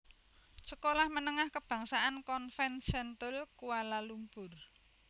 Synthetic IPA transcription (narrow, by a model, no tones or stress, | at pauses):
səkolahmənəŋahkəb̥ä̤ŋsaʔankɔnfɛnsɛnt̪əlkuwalalumbʊr